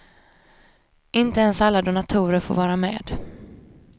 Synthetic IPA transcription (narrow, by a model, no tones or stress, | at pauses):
ʔɪnt̪əɛnsalːad̪ʊnat̪ʰuːɾəɾfo̰ːvɑːɾamḛːd̪